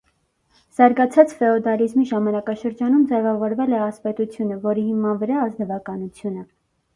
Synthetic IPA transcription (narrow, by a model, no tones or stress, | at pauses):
z̥ɑɾɡɑt͡sʰɑt͡sfɛɔd̪ɑlizmiʒɑmɑnɑkɑʃəɾd͡ʒɑnumd͡zɛvɑvɔɾvɛlɛɑspɛt̪ut͡sʰjunəvɔɾihimɑnvəɾɑːzd̪əvɑkɑnut͡sʰjunə